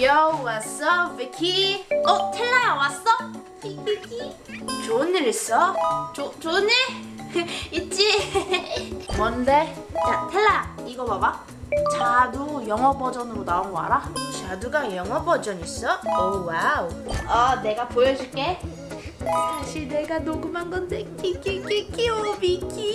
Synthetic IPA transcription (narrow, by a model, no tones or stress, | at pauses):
jʌwas͈ʌbikʰiʌtʰeɭːajawas͈ʌ | kʰikikʰi | t͡ɕonːiɾis͈ʌt͡ɕot͡ɕoniɾ | it͡ɕ͈i | mʌnde | t͡ɕatʰeɭːajaiɡʌbaba | t͡ɕadujʌŋʌbʌd͡ʑʌnɯɾonaonɡʌa̰ɾat͡ɕaduɡajʌŋɦʌbʌd͡ʑʌɲis͈ʌowauʌne̞ɡapojʌd͡ʑuk͈e | sʰaɕʰiɭne̞ɡanoɡumanɡʌntekʰikikikiobikʰi